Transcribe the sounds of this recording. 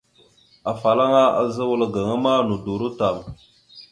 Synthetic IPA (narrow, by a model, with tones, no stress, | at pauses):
a˨fa˨la˦ŋa˦a̰˨za˦wə˦lɡa˨ŋa˦ma˦nu˨du˨ɾu˦ta˨ŋ